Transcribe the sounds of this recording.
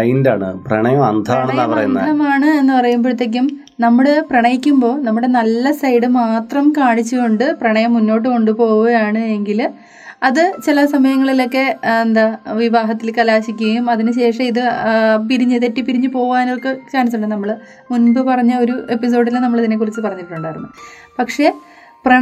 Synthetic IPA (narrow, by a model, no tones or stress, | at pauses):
ɐjnda̰ːɳɨ̰prɐ̰ɳɐjɐmɐ̰nd̪ʱɐaːɳenːaɐampɐrɐ̰junːɐ̰ðɐmaːɳɨe̞nːɨpɐrɐjumboɻut̪ːek̬ːum | nɐmːɐɭɨprɐɳɐjikʲːumbo̞ːnɐmːuɽe̞nɐlːɐsɐjɽɨmaːt̪rɐmkaːɳit͡ɕːukoɳɖɨprɐɳɐjɐmːunːo̞ːʈ̬ːɨko̞ɳɖɨpo̞ːɣuɐjaːɳɨe̞ŋɡil | ɐðɨt͡ɕilɐsɐmɐjɐŋːɐɭilo̞kːe̞end̪aʋiʋaːɦɐt̪ːilkɐlaːɕikʲːuɣɐjumɐðinɨɕe̞ːʂɐmiðɨp̬iɾiɲːɐðeʈːipiɾiɲːupo̞ːʋaːnoɭkːet͡ɕaːnɐsːuɳːɐnɐmːɐɭ | munbɨpɐrɐɲːɐo̞ɾuʔe̞pːis̬o̞ːɖilnɐmːɐɭɐðinːek̬ːurit͡ɕːɨpɐrɐɲːiʈːuɳɖaːɐɾumːo̰ | pɐkʂe̞ | prɐ